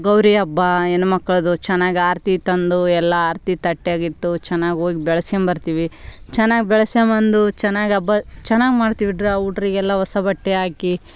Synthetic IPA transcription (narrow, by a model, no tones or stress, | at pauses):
ɡɐwɾijɐbːɐenumɐkːɐɭɐd̪ut͡ʃɛnːaːɡiaːɾt̪it̪ɐnd̪uɛlːɐaːɾt̪it̪ɐʈːeaːɡiʈːut͡ʃɛnːaːɡʲioːɡibɛɭɐsjɐmbɐɾt̪iːʋit͡ʃɛnːaːɡibɛɭɐsjɐmɐnd̪ut͡ʃɛnːaːɡiɐbːɐt͡ʃɛnːaːɡimaːɖt̪iʋiɖɾeuːʈɐɾiɡɛlːɐʋɐsɐbɐʈːeaːki